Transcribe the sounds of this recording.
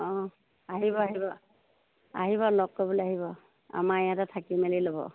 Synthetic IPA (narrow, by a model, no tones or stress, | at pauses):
ɔ̃ | aɦibɔaɦibɔ | a̰ɦiβɔlɔkkːɔbuleaɦiβɔ | a̰maɛjatatʰakimɛlilobɔ̰